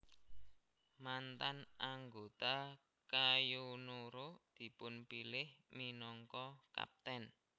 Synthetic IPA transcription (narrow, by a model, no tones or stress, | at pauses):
mant̪anʔaŋɡot̪a | kajunoɾod̪̥i̤pʊnpilɪhminɔŋkɔka̰p̚t̪ɛn